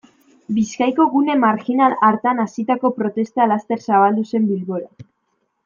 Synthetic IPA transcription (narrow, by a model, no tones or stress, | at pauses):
biskajko̞ɣune̞maɾxinalaɾt̪anasit̪ako̞pɾo̞t̪e̞st̪alast̪e̞ɾsaβ̞ald̪use̞mbilβo̞ɾa